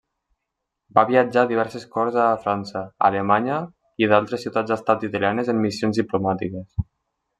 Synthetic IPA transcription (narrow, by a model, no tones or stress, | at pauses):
baβiəd͡ʒaðiβɛɾseskɔɾzafɾansəa̰lemaɲə | iðalˠt̪ɾesːiuwt̪ad͡zəst̪at̪it̪alianezəmːisionzðiplumat̪ikes